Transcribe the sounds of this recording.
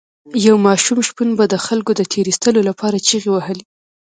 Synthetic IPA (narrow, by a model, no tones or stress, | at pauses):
jawmɑʃumʃpunbad̪əxalkod̪ət̪ʰeɾist̪əlolapɑɾat͡ʃiɣewahəli